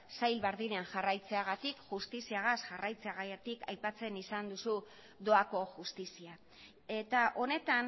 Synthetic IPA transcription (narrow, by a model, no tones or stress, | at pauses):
sajlβeɾðineanʝarajt͡se̞aɣ̞at̪ikʝust̪isiaɣ̞asʝarajt͡se̞aɣajet̪ikajpat͡se̞nisand̪usu | d̪o̞ako̞ʝust̪isia | e̞t̪aʔo̞ne̞t̪an